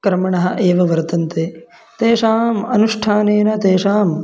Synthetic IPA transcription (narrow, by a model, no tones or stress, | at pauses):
kɾɐmɐɳɐɦɐ̆ʔeːʋɐʋɐɾt̪ɐnt̪eː | t̪eːʂaːmɐnuʂʈʰaːneːnɐt̪eːʂaːm